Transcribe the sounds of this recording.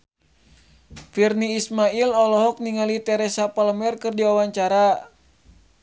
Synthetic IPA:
firniːsmailɔlɔɦɔk̚niŋalit̪ɛɾɛsapaləmɛrkɨrdiawaɲt͡ʃaɾa

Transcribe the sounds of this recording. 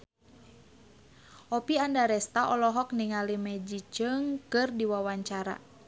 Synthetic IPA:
ʔɔpiandaɾɛst̪aʔɔlɔɦɔk̚niŋalimɛd͡ʒit͡ʃɨŋkɨrdiwawaɲt͡ʃaɾa̰

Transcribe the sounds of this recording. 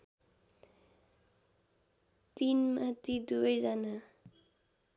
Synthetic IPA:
t̪inmat̪id̪ubʌjd͡zana

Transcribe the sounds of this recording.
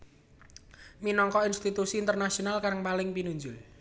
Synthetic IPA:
minɔŋkɔinst̪it̪usiːnt̪ərnasionalkaɾəŋpalɪŋpinuɲd͡ʒʊl

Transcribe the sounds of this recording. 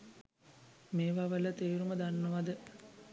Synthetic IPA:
meːʋaʋələt̪eːɾuməd̪anːəʋad̪ə

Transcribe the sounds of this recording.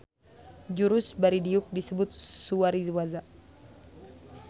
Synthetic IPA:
d͡ʒuɾʊsbaɾidiuk̚disəbʊt̪̚suaɾizwaza

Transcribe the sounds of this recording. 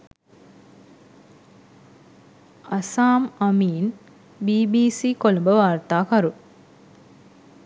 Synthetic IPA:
ɐsaːmɐmiːn | biːbiːsiːkolɐmbəʋaːɾt̪aːkɐɾu

